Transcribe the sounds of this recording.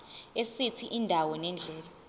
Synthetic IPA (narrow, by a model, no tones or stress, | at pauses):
esitʰiʔindʱawɔnɛnd͡ɮʱɛːla